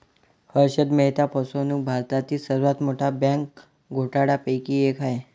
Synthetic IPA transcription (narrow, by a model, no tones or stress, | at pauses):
həɾɕəd̪məɦt̪apɔsonuk̚bʱaɾt̪at̪iːsəɾʋat̪moʈʰabãŋk | ɡʱoʈaɽapəjkiekʰae